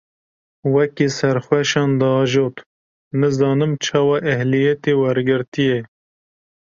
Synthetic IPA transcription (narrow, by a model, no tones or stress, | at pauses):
wɛkisɛɾxwɛʃɑːnd̪ɑːʒoːt̪ | mɨzɑːnɨmt͡ʃʰɑːwɑːʔɛhlijɛt̪eːwɛɾɡɨɾt̪ijɛ